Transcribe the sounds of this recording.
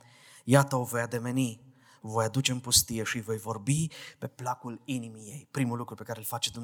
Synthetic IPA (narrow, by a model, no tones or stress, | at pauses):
jat̪əovo̞jad̪e̞me̞ni | vo̞jad̪ut͡ʃe̞ɨmpust̪ije̞ʃivo̞jvo̞rbipe̞plakulinimije̞jpɾimulukɾupe̞kaɾelfat͡ʃe̞d̪umn